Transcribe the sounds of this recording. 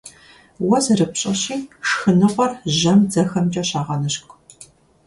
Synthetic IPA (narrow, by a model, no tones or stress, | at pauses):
wɔzrɨpɕʼɐɕiːʂxɨnɨʁʷɐrʑɐmd͡zɐxɐmt͡ʃʼɐɕaːʁɐnɨɕkʷʼ